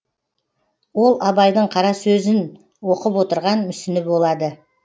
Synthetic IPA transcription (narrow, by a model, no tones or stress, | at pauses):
wo̞lˠɑbɑjd̪əɴqʰɑɾɑsɵzɪn | wo̞qəpwo̞t̪əɾʁɑnmʏsɪnɪpbolˠɑd̪ə